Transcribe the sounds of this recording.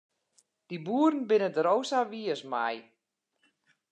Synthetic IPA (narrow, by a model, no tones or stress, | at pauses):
d̥ibuədn̩bɪnədəɾowsaʋiəsma̰j